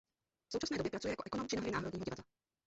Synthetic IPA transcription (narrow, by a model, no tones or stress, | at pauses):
fso̞wt͡ʃasnɛːdojɛpɾat͡sujɛjakoʔɛkonomt͡ʃɪnaɦɾɪnaːɦɾodɲːɦɟɪvad̪la